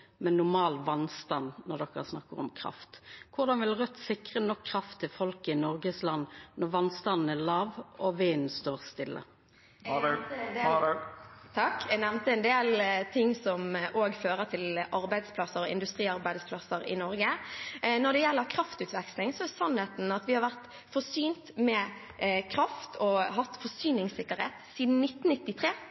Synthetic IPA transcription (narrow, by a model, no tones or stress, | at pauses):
mɛnːʊʁmɑːlʋɑnst̪ɑnnɔʁd̪ɔkːəsnɑkːəʁɔ̰mkʰɾɑ̰ft̪kʰʊʁd̪ɑnʋɪlʁœt̪ːsɪkʁənɔkʰːʁɑft̪ʰːɪfɔlkəɪnɔʁɡəslɑnːnɔʁʋɑnst̪ɑnn̩æʁlɑːʋɔʋiːnst̪oːʁst̪ɪlːʔə̰ | t̪ʰɑkɛɡnɛʋnt̪əɛnd̪eːlt̪ʰɪŋːsɔmʔoːɡføːʁət̪ʰɪlʔɑɾbæɪd̪spʰlɑsəɾɔɪ̰nd̪ʉst̪ʁiːɑʁbæɪd̪spʰlɑsːəɾɪ̰nɔɾɡənɔd̪ɛjɛlːəʁkʰɾɑft̪ʉːt̪ʋɛkslɪŋsɔɛsɑnheːt̪n̩ɑt̪ʋɪhɑɾʁʋæʁt̪ | fɔsyːnt̪mɛ | kʰʁɑft̪ʰɔɦɑt̪ːfɔsyːnɪŋsɪkːəɾheːt̪siːd̪n̩nːɪt̪ːn̩nɪt̪ːɪt̪ʰʁeː